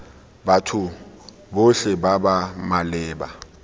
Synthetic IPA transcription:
batʰʊ | boɬɛbabamalɪːba̰

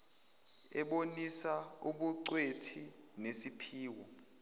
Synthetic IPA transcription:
ɛɓonisauɓuǀwetʰi | nesipʰiːwɔ

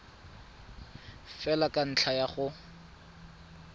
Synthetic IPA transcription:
fɛlakʼan̩t͡ɬʰajaχʊ

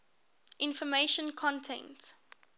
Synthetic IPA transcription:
ʔɪ̃nfɔmeʃə̃nkʰɔ̃ntʰɛ̰̃nt

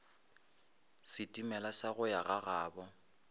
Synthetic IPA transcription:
sɪtʼimɛlasaɣʊjaɣaɣaːbɔ

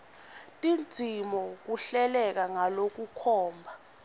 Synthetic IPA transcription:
tʼind͡zʱimɔk̬uɬɛlɛk̬aŋalok̬ukʰɔːmbʱa

